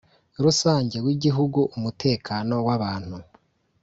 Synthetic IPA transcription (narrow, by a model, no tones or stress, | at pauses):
ɾusaːɲɟe̞ɾwiɟiɦuɡuʔumutʰe̞ːkʰaːno̞waβaːn̥hu